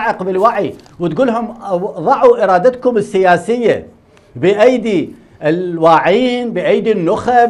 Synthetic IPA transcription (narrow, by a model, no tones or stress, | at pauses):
ʕɪqbɪlwaʕi | wɪt̪ɡuːlɦʊmðˤɑʕuʔɪɾˤɑːd̪at̪kʊmɪsːɪjaːsɪjːa̰ | bɪʔajd̪i | ɪlwaːʕiːnbɪʔajd̪inːʊxa